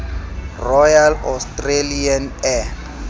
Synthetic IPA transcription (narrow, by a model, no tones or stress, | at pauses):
rɔjalɔstʼrelianɛ